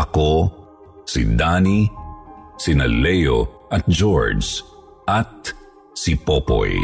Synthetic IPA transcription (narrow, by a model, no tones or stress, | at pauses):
ɐko | sḭd̪ani | sinɐlːɛjoʔɐt̪̚d͡ʒoɹd͡ʒ | ʔɐt̪̚ | sipopo̰j